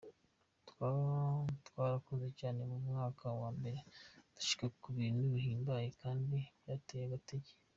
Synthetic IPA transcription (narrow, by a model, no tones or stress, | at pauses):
twatwaːɾakozecaːne̞mumŋaːkʰawaːmbe̞ɾetu̥ʃi̥kakuβiːnduβiɦiːmbajekaːndijatejeβateɟe